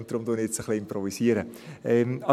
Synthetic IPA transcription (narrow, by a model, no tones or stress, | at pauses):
ntd̥̪ɾʊmd̪uənɪet͡səχliɪmpɾɔvisiəɾəɛmɑ